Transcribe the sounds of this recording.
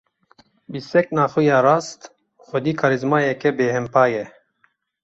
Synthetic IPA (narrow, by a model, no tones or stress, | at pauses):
bisɛk̚naːxujaːɾaːst̪ | xʷɔd̪iːkʰaɾizmaːjɛkɛbeːhɛmpaːjɛ